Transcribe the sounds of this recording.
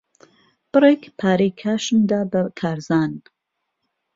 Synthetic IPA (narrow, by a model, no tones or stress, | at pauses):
b̥ɨreːkpʰaːɾejkʰaːʃɨnd̪aːbɐkʰaːɾzaːn